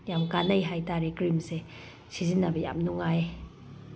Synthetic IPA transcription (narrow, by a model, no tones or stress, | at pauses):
jamkanɐjɦajtaɾekɾimse | sʰizinabaja̰mnuŋaj